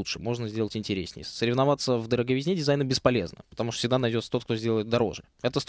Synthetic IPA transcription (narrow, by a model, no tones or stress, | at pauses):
utʂɨmo̞ʐnəzʲdʲelˠətʲɪnʲtʲɪɾʲesʲnʲɪ̰jəsəɾʲɪvnɐvat̪səvd̪əɾəɡəvʲɪzʲnʲedʲɪzajnəbʲɪspɐlʲe̞̰znə̰pə̥t̪ɐmuʂt̪sʲɪɡd̪anɐjdʲosət̪o̞t̪kt̪ozʲdʲe̞lˠəjɪt̪̚d̪ɐɾo̞̰ʐɨ | ɛt̪əst̪